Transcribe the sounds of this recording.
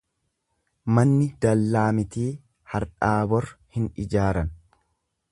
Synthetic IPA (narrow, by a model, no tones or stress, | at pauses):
mɐnːɪd̪ɐlːaːmɪt̪iː | hɐɾᶑaːbɔɾhɪnɪd͡ʒaːɾɐn